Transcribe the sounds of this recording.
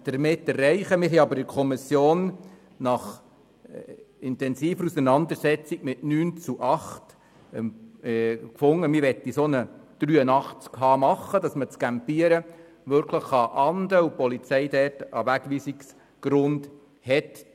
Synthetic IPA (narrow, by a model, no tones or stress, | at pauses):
d̥əɾmɪtːɛrːɛɪχəmɪɾɦɛɑbəɾɪkʰɔmisjoːn | nɑχ | ɪnt̪ɛnsiːfəɾusənɑnd̪əɾsɛt͡siɡ̥mɪtnyːnt͡suʔɑχt | kfʊŋːəmɪʋɛtːisonəd̥ɾyːənɑχt͡skhɑːmɑχːəd̥ɑsmət͡skæmpiəɾə | ʋʏɾkʰləχːɑʔɑnd̪əupɔlit͡sɛɪdɛrtɑʋæɡ̥ʋiːsiks | ɡ̥ɾʊnd̥ | hɛt